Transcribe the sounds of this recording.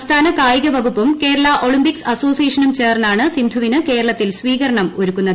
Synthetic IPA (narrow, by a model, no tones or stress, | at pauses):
st̪ʰaːnɐkaːjiɣɐʋɐɡupːumke̞ːɾɐɭɐʔo̞ɭimbiksɐso̞ːsijeːʂɐnumt͡ɕe̞ːrnːaːɳɨsind̪ʱuʋinɨke̞ːɾɐɭɐt̪ːilsʋiːɣɐɾɐɳɐmoɾukːunːɐ